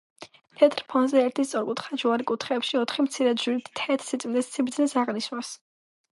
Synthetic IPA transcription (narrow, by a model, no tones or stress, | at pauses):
t̪ʰɛt̪ʼɾpʰɔnzɛɛɾt̪ʰist̪sʼɔɾkʼut̪χad͡ʒuaɾikʼut̪ʰχɛːpʃiɔt̪ʰχimt̪sʰiɾɛd̪ʒiɾit̪ʰɛt̪ʰsit̪sʼminɛssibɾd̪znisaʁniʃnas